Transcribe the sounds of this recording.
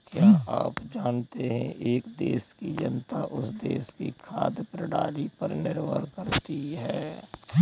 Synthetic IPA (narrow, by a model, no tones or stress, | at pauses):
kjaːʔa̰ːpd͡ʒaːnt̪eɦɛ̰̃ʔeːkd̪eːskid͡ʒɐ̰nt̪aʔʊsd̪eːskikʰa̰ːd̪pɾəɽaːlipɐɾnɪɾbə̰ɾkɐɾt̪iɦɛː